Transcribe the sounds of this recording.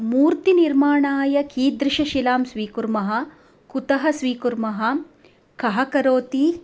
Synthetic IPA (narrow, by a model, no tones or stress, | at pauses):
muːɾt̪iniɾmaːɳaːjɐkiːd̪ɾɪʃɐʃilaːmsʋiːkuɾmɐɦɐ̆ | kut̪ɐɦɐsʋiːkuɾmɐɦɐ̆ | kɐɦɐkɐɾoːt̪i